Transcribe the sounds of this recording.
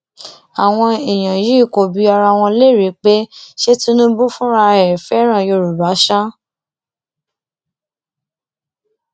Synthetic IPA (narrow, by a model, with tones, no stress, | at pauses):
a˨w̃ɔ̃˧e˨j̃ã˨ji˨˦i˦˨ko˨bi˨˧˦a˧ɾa˧w̃ɔ̃˧le˦˨ɾi˨˦k͡pe˦ʃe˦ti˦nũ˦bu˦fũ˦ɾa˧ɛ˨ɛ˨fɛ˨˦ɾ̃ã˦˨jo˧˨ɾu˨ba˨˦ʃa˦